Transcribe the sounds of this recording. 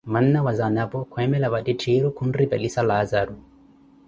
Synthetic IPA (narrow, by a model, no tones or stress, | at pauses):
man̩nawazanapɔkʰɛmɛlaβatitʰiɾukʰun̩ripɛlisalazaɾu